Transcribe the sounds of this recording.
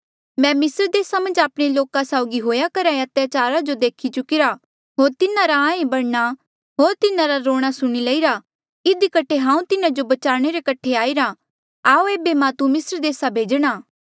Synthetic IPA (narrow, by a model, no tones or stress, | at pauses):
mɛ̃ːmɪsəɾd̪eːsamɐ̃nd͡ʒaːpɽ̃eloːkãsaʊɡiɦoːjakɐɾaɐt̪jat͡ʃaːɾad͡ʒod̪eːkʰit͡ʃʊkiɾa | ɦoːɾt̪ɪnãɾaãːẽbɐɽña | ɦoːɾt̪ɪnãɾaɾoːɽ̃asʊɽ̃ilɐiɾa | ɪd̪ikɐʈʰeɦãːũt̪ɪnãd͡ʒobɐt͡ʃaːɽ̃eɾekɐʈʰeaːiɾa | aːoeːbemãːt̪umɪsɾd̪eːsabʱeːd͡ʒɽ̃aː